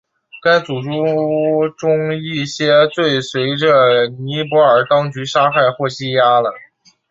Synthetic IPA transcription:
ka˥ɪt͡su˨˩ʈ͡ʂu˥ʈ͡ʂʊ˥ŋi˥˩ɕjɛ˥t͡swe˥˩ɪswe˧˥ɪʈ͡ʂə˧ni˧˥p̬wɔ˧˥ə˞˨˩t̪ɑ˥ŋt͡ɕy˧˥ʂa˥xa˥˧ɪxwɔ˥˩ɕi˥ja˥lə˨

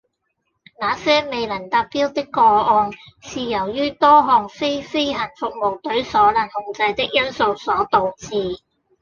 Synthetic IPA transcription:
naː˨˧sɛː˥me˨jlɐ˨˩nt̪aː˧k̚piː˥wt̪ɪ˥kːɔː˧ɔː˧n | siː˨jɐ˨˩wjyː˥t̪ɔː˥ɦɔː˨ŋfe˥jfe˥jɦɐ˨˩nfʊ˨k̚mo˨wt̪ɵ˨˥ɥsɔː˨˥lɐ˨˩nhʊ˧ŋt͡sɐ˧jt̪ɪ˥k̚jɐ˥nso˧wsɔː˨˥t̪o˨wt͡siː˧

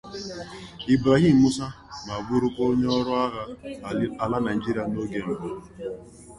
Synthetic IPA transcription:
i˨bɾa˨ɣi˦˨m̩˨mu˦sa˦ | ma˨ɡ͡bʊ˦ɾʊ˦ko˦ɲe˦ɔ˦ɾʊ˦a˦ɣa˦˨ | a˨la˦na˨d͡ʒi˦ɾi˦a˨no˦ɡe˨m̩˨bo˨

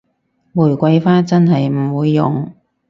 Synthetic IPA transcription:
muː˨˩jkʷɐ˧jfaː˥t͡sɐ˥nɦɐ˨jm̩˨˩wuː˨˧jːʊ˨ŋ

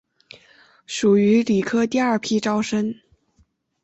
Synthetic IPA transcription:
ʂu˨˩y˧˥li˨˩kʰɤ˥t̪i˥˧ɐ˞˥˩pʰi˥ʈ͡ʂɑ˥ʊʂə˥n

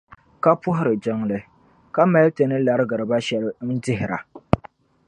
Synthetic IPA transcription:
ka˦pʊ˦ɦʊ˦ɾɨ˨d͡ʒɪ˦ŋlɨ˦ | ka˦ma˦te˨nɨ˦la˦ɾɨ˦ɡɨ˨ɾɨ˨ba˦ʃɛ˦ln̩˦dɪ˦ɦɪ˨ɾa̰˨

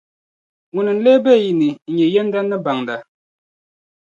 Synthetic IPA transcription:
ŋu˨nɨ˨n̩˦le˦bɛ˦˨ji˨nɨ˨ɲɛ˨jɛ˦n˦da˦nːɨ˦ba˨ŋda˨

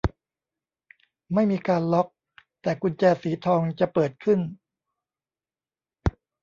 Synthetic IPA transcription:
ma˥˩jmiː˧kaː˧nlɔ˦˥k̚ | t̪ɛː˨˩ku˧nt͡ɕɛː˧siː˩˦t̪ʰɔː˧ŋt͡ɕa˨˩pɤː˨˩t̪̚kʰɯ˥˩n

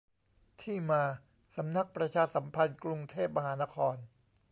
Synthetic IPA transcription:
t̪ʰiː˥˩maː˧ | sa˩˦mna˦˥k̚pɾa˧t͡ɕʰaː˧sa˩˦mpʰa˧nkɾu˧ŋt̪ʰe˥˩p̚ma˧ɦaː˩˦na˦˥kʰɔː˧n

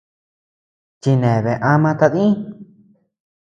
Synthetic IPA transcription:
t͡ʃi˧nẽ˨βẽ˨ʔã˦mã˧t̪a˧ðĩ˦

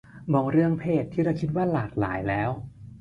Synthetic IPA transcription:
bɔː˧˩ŋɾɯ˥˩əŋpʰeː˥˩t̪ʰːiː˥˩ɾa˧˩wkʰi˦˥t̪̚waː˥˩laː˨˩k̚la̰ː˩˦jlɛː˦˥w

